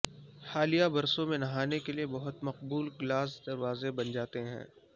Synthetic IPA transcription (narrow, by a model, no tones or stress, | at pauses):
xaːlijabɐɾsõmẽnɐɦaːnekeliebɐɦʊt̪mɐqbuːlɡlaːs̬d̪ɐɾʋaːzebɐnd͡ʒaːt̪eɦɛ̰̃ː